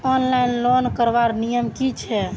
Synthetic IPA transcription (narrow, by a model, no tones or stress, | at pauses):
ɔnlajinlonkəɾbaɾnijəmkit͡ʃʰɛ